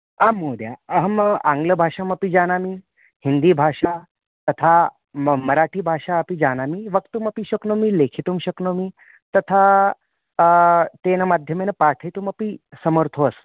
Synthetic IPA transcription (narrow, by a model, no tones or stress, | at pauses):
amːoːd̪jaəɦəmã̰ŋɡləbʱaʂamɐpid͡ʑaːnami | hind̪iːbʱaʂa | t̪ɐt̪ʰa | mmɐɾaʈʰiːbʱaʂaəpid͡ʑaːnamiʋəkt̪umɐpiɕəknomilekʰit̪umɕəknomi | t̪ɐt̪ʰa | t̪enəmad̪ʱjəmenəpaːɾʈʰəjt̪uməpisəməɾt̪ʰos